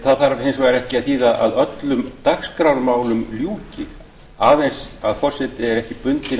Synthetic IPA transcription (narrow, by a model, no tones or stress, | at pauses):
θaðθaɾvhensvaːjɾɛhcɪaðθiːðaʔa̰ðœt̪lʏmt̪axskɾawɾmaːwlʏmljuːcɪ | aːðensaðfɔr̥sɛt̪ɪɛɾɛhcɪpʏnt̪ɪ